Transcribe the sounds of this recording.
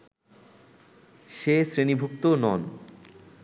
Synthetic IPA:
ʃesɾenibʱuk̚t̪onɔn

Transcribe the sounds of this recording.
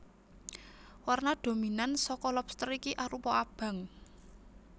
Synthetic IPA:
warnaɖ̥o̤minansɔkɔlɔpst̪ɾɔikiʔaɾupɔab̥ä̤ŋ

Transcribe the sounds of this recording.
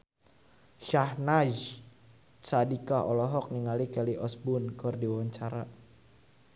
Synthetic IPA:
ʃahnaʒ | sadikaɦɔlɔɦɔk̚niŋalikɛliʔɔsbʊnkɔrdiwaɲt͡ʃaɾa

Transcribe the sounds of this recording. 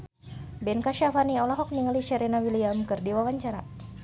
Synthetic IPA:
bɛnkaʃafaniɔlaɦɔk̚niŋəliʃɛɾɛnawiliamkɨrdiwawaɲt͡ʃaɾa

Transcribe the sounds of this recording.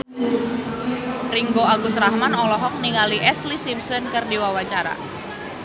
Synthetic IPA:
riŋɡoaɡʊsɾahmanɔlɔɦɔk̚niŋaliʔɛslisimsɔnkɨrdiwawat͡ʃaɾa̰

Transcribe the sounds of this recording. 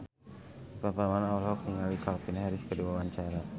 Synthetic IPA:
pɾant̪amaanawlɦɔk̚t̪iŋalikalpinhɛɾiskəduawaɲt͡ʃaɾa

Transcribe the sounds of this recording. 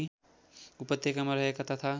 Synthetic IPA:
upət̪jekɐmɐɾɐɦekat̪ɐt̪ʰa

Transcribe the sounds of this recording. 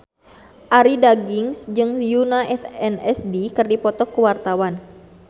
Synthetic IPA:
ʔaɾidaɡiŋsd͡ʒɨŋjunaʔɛfɛnɛsdikɨrdipɔt̪ɔkːəwart̪awan

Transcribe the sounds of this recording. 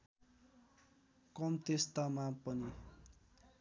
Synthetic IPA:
kʌmt̪est̪amapʌni

